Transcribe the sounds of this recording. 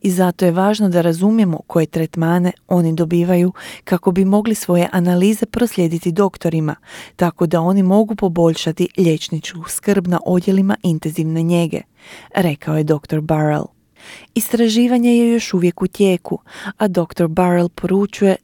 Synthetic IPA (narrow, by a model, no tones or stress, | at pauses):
izat̪o̞je̞ʋaːʒnod̪aɾazumje̞mo̞kʰo̞je̞t̪ɾet̪maːne̞o̞nid̪o̞biːʋajukako̞bimo̞ɡlisʋo̞je̞ʔanaliːze̞pɾo̞sʎʲe̞d̪it̪id̪o̞kt̪o̞ɾimat̪ako̞d̪ao̞nimo̞ɡupo̞bo̞ʎʃat̪iʎe̞t͡ʃnit͡ʃkuskr̩bna̰ʔo̞d̪je̞limaʔint̪enziʋne̞ɲe̞ɡe̞̰ | ɾe̞kao̞je̞d̪o̞kt̪o̞ɾbaɾḛlˠ | ist̪ɾaʒiːʋaɲe̞jejo̞ʃuʋje̞kut̪je̞ːkʰuad̪o̞kt̪o̞ɾbaɾelˠpʰo̞ɾut͡ʃuje̞